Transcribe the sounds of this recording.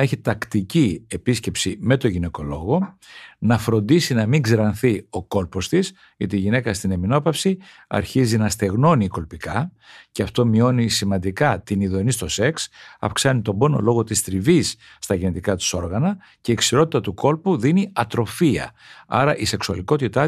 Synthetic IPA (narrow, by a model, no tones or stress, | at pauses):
eçit̪ɐkt̪icie̞pisce̞psime̞t̪oʝine̞ko̞lo̞ɣo̞nɐfɾo̞nd̪isinɐmiŋɡzɾɐnθio̞ko̞lpo̞st̪is | ot̪eːʝine̞kɐst̪ine̞mino̞pɐfsi | ɐ̰ɾçizinɐst̪e̞ɣno̞niːko̞lpikɐ | ceɐft̪o̞mio̞nisimɐnd̪ikɐt̪iniðo̞nist̪o̞se̞ksɐ̰fksɐnit̪o̞bo̞no̞̰lo̞ɣo̞t̪ist̪ɾivisː | t̪ɐʝenet̪ikɐt̪i̥so̞ɾɣɐnɐ | ce̞iːksiɾo̞t̪it̪ɐt̪uko̞lpuðiniɐt̪ɾo̞fiɐ̰ | ɐ̰ɾɐʔise̞ksuɐliko̞t̪it̪ɐ